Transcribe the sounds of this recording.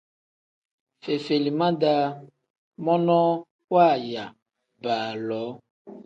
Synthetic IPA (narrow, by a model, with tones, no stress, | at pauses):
fe˨fe˨li˨mã˦da˦ | mɔ̃˦nɔ̃˦ | wa˦˨ja˨ | ba˨lɔ˨˦